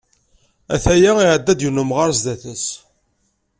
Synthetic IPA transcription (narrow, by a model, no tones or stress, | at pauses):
æ̰θæjaiʕəd̪ːæd̪junəmʁaɾzd̪æθəs